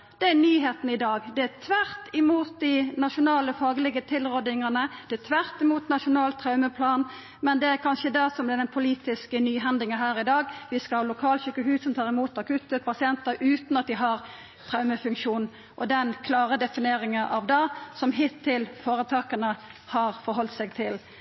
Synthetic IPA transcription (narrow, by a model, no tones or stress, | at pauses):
d̪̥ɛænyːɦeːt̪n̩ɪd̪ɑːɡd̪ɛæt̪ʰʋæɾt̪ɪmuːt̪̚d̪ɪnɑʂʊnɑːləfɑːɡlɪɡət̪ʰɪlʁɔd̪ɪŋənəd̪̥ɛæt̪ʰʋæɾt̪ɪmuːt̪nɑʂʊnɑːlt̪ʰʁɑʉməpʰlɑːn | mɛnd̪ɛæɾkʰɑnʃəd̪ɛsɔmd̪ɛd̪ɛnpʰʊliːt̪ɪskənyːɦɛnd̪ɪŋəɦæːɾɪd̪ɑːɡʋɪskɑhɑlʊkʰɑːlɕʏkːəɦʉːsɔmt̪ʰɑːʁɪmuːt̪ɑkʰʉt̪ːəpɑsɪɛnt̪əɾʉːt̪nɑt̪̚d̪ɪɦɑʁ | t̪ʰɾɑʉməfʉŋkʃuːn | ʔɔd̪ɛnkʰlɑːɾəd̪ɛfɪneːɾɪŋəʔɑʋd̪ɑːsɔmɦɪt̪ʰːɪlfoːɾət̪ʰɑːkənəhɑɾfɔɾɦɔlt̪sɛɡt̪ʰɪl